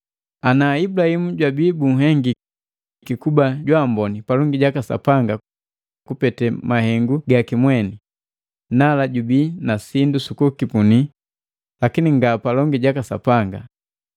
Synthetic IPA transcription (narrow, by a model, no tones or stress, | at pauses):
anaibulahimuɟwabiːbuŋ̩ɦɛŋɡi | kikubaɟwambɔnipalɔŋɡiɟakasa̰paŋɡa | kupɛtɛmahɛŋɡuɡakimwɛni | nalaɟubiːnasindusukukipuni | lakiniŋɡapalɔŋɡiɟakasa̰paŋɡa